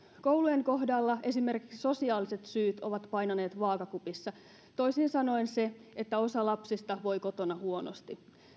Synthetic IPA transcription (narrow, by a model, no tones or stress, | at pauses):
kowlue̞ŋko̞ɦdɑlːɑe̞sime̞rki̥ksso̞siɑːlise̞t̪syːt̪o̞̰ʋɑt̪pɑjnɑneːt̪ʋɑːkɑkupisːɑ | t̪o̞jsiːnsɑno̞inse̞et̪ːæo̞sɑlɑpsist̪ɑʋo̞jko̞t̪o̞nɑhuo̞no̰st̪i